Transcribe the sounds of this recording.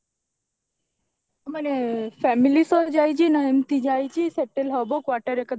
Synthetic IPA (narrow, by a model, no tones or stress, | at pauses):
mənefɛmilisod͡ʒajt͡ʃʰinəjəmt̪id͡ʒajt͡ʃʰiseʈelɦəbokʋaʈəɾekəd̪